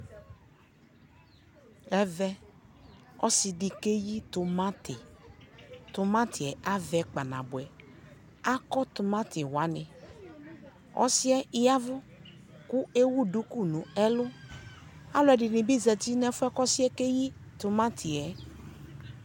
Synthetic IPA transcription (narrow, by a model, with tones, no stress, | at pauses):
ɛ˦vɛ˦ | ɔ˦sɪ˨dɪ˨ke˦ji˦tʊ˨ma˦tɪ˨ | tʊ˨mã˦tʰɪ˨ɛ˨ʔa˦vɛ˨k͡pa˨na̰˨bʊ˨ɛ˨ | a˦kɔ˦tʊ˨mã˦tɪ˨wa˨˦nɪ˨ | ɔ̰˦sɪ˦ɛ˦ɪ˦ja˦vʊ˦ | kʊ˦e˦wu˦du˦ku˦nũ˨ɛ˦lʊ˦ | a˦lʊ˨˦ɛ˨dɪ˨nɪ̃˨bi˦zɛ˨ti˦nɛ˦fʊ˦ɛ˦kɔ˦sɪ˦ɛ˦ke˦ji˦tʊ˨mã˦tʰɪ˨ɛ˨